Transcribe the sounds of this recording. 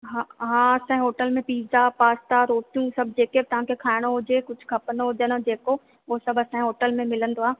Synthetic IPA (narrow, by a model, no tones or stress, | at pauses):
ɦãɦãːɐsãɦoːʈəlmẽpiːzapaːst̪aɾoːt̪ijũsɐb̚ʱd͡ʑeːkebɪt̪ɐʋ̤ãkʰekʰaːɪɽ̃oɦʊd͡ʑekʊd͡ʑʱʰkʰɐpənoɦod͡ʑənod͡ʑeːko | ʋosɐbʱɐsãːɦoːʈəlmẽmɪlə̃nd̪oaː